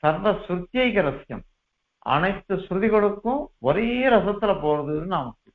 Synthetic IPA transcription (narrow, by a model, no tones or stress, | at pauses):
sɐɾʋɐsʊɾt̪ːjɐɪkːɐɾɐsjɐ̰m | ʔɐ̰nɐɪt̪ːɯsɾðɪɣɔɽɯkːʊ̃ɔɾeɐɾɐsɐt̪ːɪlɐpoːɾɐðɯðɯnaːmɐkːɯ